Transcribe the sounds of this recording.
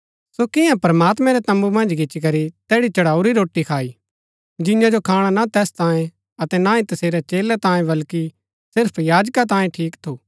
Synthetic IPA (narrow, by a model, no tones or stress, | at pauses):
sokɪjãpɾmaːt̪mɛ̃ɾɛt̪ɐ̃mbumɐ̃nd͡ʒɡɪt͡ʃikɐɾit̪ɛːɽit͡ʃɐɽaːuɾiɾoːʈːikʰaːi | d͡ʒɪ̃jãd͡ʒokʰaːɽ̃anat̪ɛːst̪ãːẽ | ɐt̪ɛnaĩt̪ɐseːɾɛt͡ʃeːlɛt̪ãːẽbɐlki | sɪɾpʰjaːd͡ʒkat̪̬ãːjẽʈʰiːkt̪ʰoː